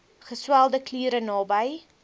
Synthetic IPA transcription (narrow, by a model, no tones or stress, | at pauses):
χəswælˠdəkliːɾənɑːbəj